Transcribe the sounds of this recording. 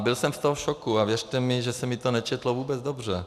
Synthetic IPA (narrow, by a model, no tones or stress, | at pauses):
bɪlsɛmft̪oɦoʃokuavjɛrt̪ɛmɪʒɛsɛmɪt̪onɛt͡ʃɛt̪lovuːbɛd͡zd̪obr̝ɛ